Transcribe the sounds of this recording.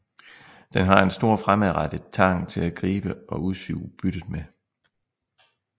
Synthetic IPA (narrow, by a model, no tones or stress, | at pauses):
d̥enɦɑ̈e̝nsd̥o̝ɐ̰fʁamæʁad̥əðˠt͡sʰɑ̈ŋ̰t͡sʰe̝læɡ̥ʁiːb̥əɒ̽ʔuðˠsy̰ːb̥yd̥əð̩ˠme